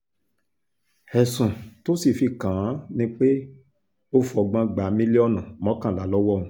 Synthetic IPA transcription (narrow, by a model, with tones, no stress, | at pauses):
ɛ˨sũ˨to˦si˦˨fi˧˨kã˨˦nĩ˦k͡pe˦ | o˦fɔ˨ɡ͡bã˧ɡ͡ba˨˦mĩ˦li˦ɔ˦˨nũ˨mɔ̃˨˦kã˦˨la˨˦lɔ˦wɔ˦˨ũ˨˦